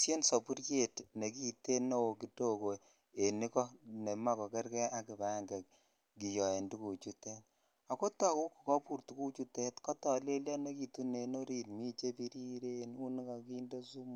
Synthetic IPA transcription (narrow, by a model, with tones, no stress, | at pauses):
sje˦nso˨pu˦ɾke˨tne˨ki˦te˦no˦wo˨ki˨to˦ko˨ | e˨ni˦kɔ˦ne˨ma˦kɔ˨kɛ˦ɾkɛ˦ʔa˦kɪ˨ba˨˦˨ŋɡɛ˨k̚ | ki˨jɔ˨e˨ndu˦ku˨t͡ʃu˦te˦t | a˨ko˦ta˦˨ku˦kːu˨kɔ˦pu˦˨ɾtu˦ku˦t͡ʃu˦te˦tkɔ˦tɔ˨le˦lja˦ne˦ki˨tu˦ne˨no˦ɾi˦˨nmi˦t͡ʃe˦pi˦ɾi˦ɾe˦nu˦ni˦ka˨ki˦ndo˦su˦mu˦